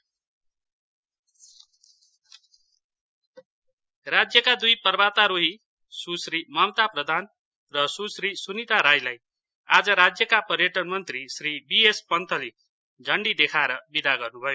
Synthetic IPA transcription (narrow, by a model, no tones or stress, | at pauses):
rad͡zjʌkad̪ujpʌrbat̪aɾoɦi | susɾimʌmt̪aprʌd̪ʱan | rʌsusrisunit̪aɾajlaj | ad͡zʌɾad͡zjʌkapʌrjʌʈʌnmʌnt̪risribiespʌnt̪ʰʌli | d͡zʌɳɖid̪ekʰaeɾʌbid̪aɡʌrnubʱʌjo